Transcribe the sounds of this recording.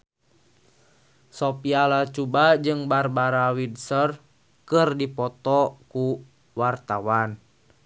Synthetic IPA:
sɔpialat͡ʃubad͡ʒɨŋbarbaɾawidsər | kərdipɔt̪ɔku | wart̪awan

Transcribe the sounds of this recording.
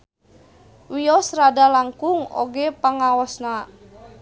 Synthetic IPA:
wijɔsɾadalaŋkʊŋo̰ɡepaŋawɔsna

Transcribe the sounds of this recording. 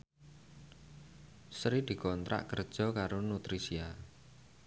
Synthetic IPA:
sɾid̪̥i̤kɔnt̪ɾa̰ʔkərd̥ʒ̥ɔ̤kaɾonut̪ɾisia

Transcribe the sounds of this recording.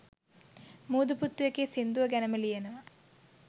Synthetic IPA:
muːd̪uput̪ːʋɐkːesind̪uʋɐɡɐnɐmɐlijɐnu

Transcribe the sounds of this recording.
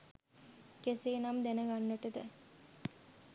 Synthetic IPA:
keseːnamd̪ænəɡanːəʈəd̪ə

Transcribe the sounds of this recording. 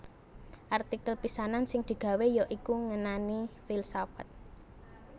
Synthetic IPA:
ʔart̪ikəlpisanansɪŋd̪̥i̤ɡ̥a̤wejɔʔikuŋənanifilsafat̪̚

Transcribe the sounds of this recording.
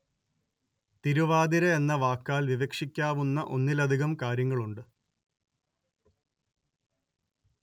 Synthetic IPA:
t̪iɾuʋaːd̪iɾɐenːɐʋaːkːaːlʋiʋekʂikʲːaːʋunːɐʔo̞nːilɐd̪ʱiɣɐmkaːɾjɐŋːɐɭuɳɖɨ

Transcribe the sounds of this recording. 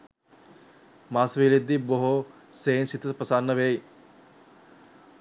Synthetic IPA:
maːsʋiled̪ːiboɦo | seːnsit̪əpəsanːəʋej

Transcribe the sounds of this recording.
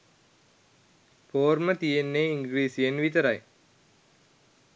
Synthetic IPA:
poːɾmət̪ijenːeiŋɡɾiːsijenʋit̪əɾaj

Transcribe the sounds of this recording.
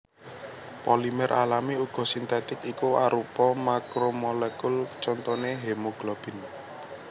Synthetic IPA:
polimɛɾʔalamiuɡ̥ɔ̤sint̪ɛt̪ɪkikuaɾupɔmakɾomolɛkult͡ʃɔnt̪ɔneɦemoɡ̥lɔb̥ɪ̤n

